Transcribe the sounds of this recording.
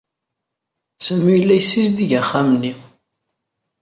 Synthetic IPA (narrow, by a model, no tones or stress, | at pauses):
sæmijəlːæjsːizd̪iʝæχːamnːi